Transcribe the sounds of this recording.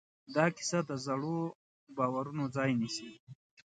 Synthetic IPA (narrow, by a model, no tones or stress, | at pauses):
d̪ɑkɪ̥sad̪əzaɽo | bɑːwaɾunod͡zɑːjnisi